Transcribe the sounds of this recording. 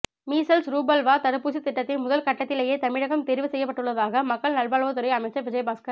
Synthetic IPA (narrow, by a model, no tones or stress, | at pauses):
miːsɐlsɾuːbɐlʋaːt̪ɐɾɯpːuːsit̪ːɪʈːɐt̪ːɪnmʊðɐlkɐʈːɐt̪ːɪleːjeːt̪ɐmɪɻɐɣɐmt̪ɛɾɪʋɯsɛjːɐpːɐʈːɯɭːɐðaːɣɐmɐkːɐɭnɐɭbaːɭʋɐt̪̬ːɯɾɐɪɐmɐɪt͡ʃːɐɾʋɪd͡ʒɐjbaːskɐɾ